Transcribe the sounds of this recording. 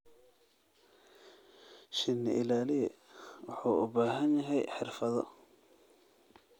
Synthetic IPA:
ʃɪnːɪ̰ʔɪlaːlɪɛwʊħuːʊbaːɦɐnjɐɦɛjħɪrfɐðɔ̰

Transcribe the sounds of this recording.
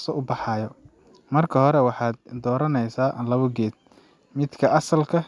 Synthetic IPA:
sɔʊbɑħɑːjɔ | mɐrkʰɐɦɔɾɛwɑħɑːd̪d̪ɔːɾɐnɛjsaːʔlɐβʊɡɛːd̪̚ | mɪd̪kʰɐʔɐsɐlkʰɐ

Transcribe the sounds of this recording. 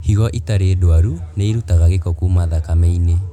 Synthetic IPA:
hiɣɔʔitaɾeːdoaɾuneiɾutaɣaɣekɔkumaðakameine

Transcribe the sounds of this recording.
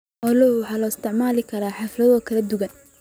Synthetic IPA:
ʔɔlɔhwħɑːlɔɪst̪ʰɪʕmaːlɪkʰɐɾaːħɑflɐðɔːkʰɐlɐd̪ʊɣɐn

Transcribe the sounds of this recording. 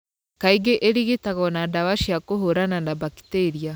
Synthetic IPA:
kaiɡeʔeɾiɣitaɣɔnadawaʃiakoɦoɾananabaki̥teɾia

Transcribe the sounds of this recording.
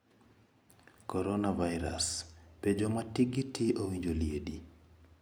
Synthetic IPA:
kɔɾɔnavajɾa̰sped͡ʒɔmatiɡitiowiɲd͡ʒoljedi

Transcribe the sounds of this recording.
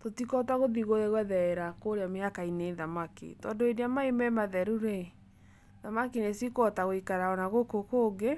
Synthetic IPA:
totikɔtaɣoðiɣoðeɣwɛðɛɛɾakoɾeamehakaineːðamakḭtɔndoediamaemɛmaðɛɾuɾe | ðamakinesikɔtaɣoikaɾaɔnaɣokokoːɡe

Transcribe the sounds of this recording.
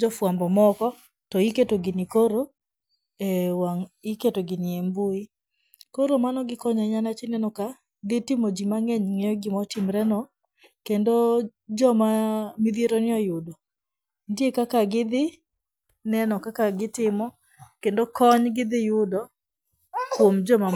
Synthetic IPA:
d͡ʒɔfwambɔmɔkɔ | tɔiketoɡɪnɪkoɾo | ɛwaŋiketoɡɪnɪembui | koɾomanɔɡɪkɔɲaɲanat͡ʃinɛnɔka | d̪ɪtɪmod͡ʒimaŋeɲŋejɔɡɪmɔtɪmɾɛnɔ | kendo | d͡ʒɔmamɪðjeɾonɪɔjʊdo | ndjekakaɡɪd̪ɪ | nɛnɔkakaɡɪtɪmɔ | kendokɔɲɡɪd̪ɪjʊdɔ | kwomd͡ʒɔma

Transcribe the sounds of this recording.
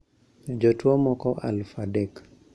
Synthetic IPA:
d͡ʒotwomɔkɔʔa̰lfadɛk

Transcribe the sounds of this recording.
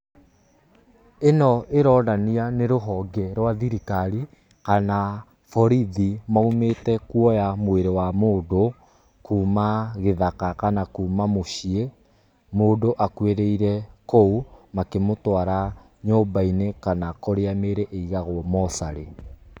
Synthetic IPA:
enɔʔeɾɔːndanianeɾoɦɔɡɛɾwaðiɾikaɾi | kana | fɔɾiðimaumetɛkwɔjamweɾewamoːdo | kuːmaɣeðakakanakuːmamoɕie | moːdoʔakweɾeiɾɛkoumakemotwaɾa | ɲoːbainekanakoɾeameɾɛʔeiɣaɣwɔmɔsaɾe

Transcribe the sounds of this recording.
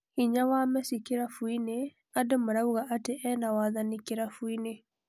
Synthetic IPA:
iɲawamɛsikeɾafuine | adomoɾauɣaʔateʔɛnawaðanikeɾafuine

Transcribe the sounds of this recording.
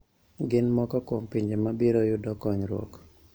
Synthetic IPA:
ɡɪnmɔkɔkompiɲd͡ʒemabiɾojʊdɔkɔɲɾwo̰k

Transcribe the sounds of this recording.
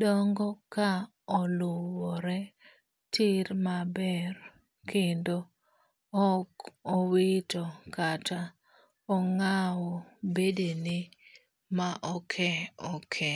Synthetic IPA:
dɔŋɡɔka | ɔlʊwɔɾɛ | tɪɾmabɛɾ | kɪndo | ɔkowɪtɔkatʰa | ɔŋawɔbedenɪ | maʔɔkʰɛɔkʰɛ

